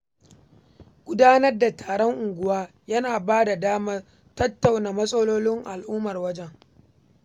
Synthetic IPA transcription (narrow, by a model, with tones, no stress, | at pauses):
ɡ̥ʷʊ˦daː˦nɐ˦rda˨tʰaː˨ɽɔ˦ŋʔʊ˨ŋɡʷʊ˦waː˦ | jɐ˦naː˨baː˦da˨daː˦ma˦ | tɐ˦tːa˨wna˨mɐ˦sʼɐ˦loː˦lɪ˦ŋʔa˨lʔʊː˦mɐ˨rwɐ˦d͡ʒɛ˦ŋ